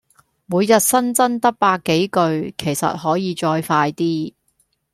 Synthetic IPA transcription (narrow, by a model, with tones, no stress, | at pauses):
muː˨˧jjɐ˨t̚sɐ˥nt͡sɐ˥nt̪ɐ˥k̚paː˧kːe˨˥jkɵ˧ɥkʰe˨˩jsɐ̰˨t̚hɔː˨˥jiː˨˧t͡ʃɔː˧jfaː˧jt̪iː˥